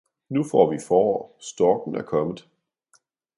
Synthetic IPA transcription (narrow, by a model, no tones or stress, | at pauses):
nufɒ̰ːʋifɒːsd̥ɒːɡ̥n̩æɐkʰɒ̽məð̩ˠ